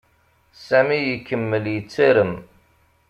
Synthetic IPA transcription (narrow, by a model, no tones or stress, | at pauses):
sæmijəkːəmːəljət͡sːiɾəm